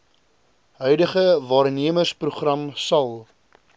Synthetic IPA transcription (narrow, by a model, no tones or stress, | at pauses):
ɦœɥdəχəvɑːrniəmərspruχrɐmsɐlˠ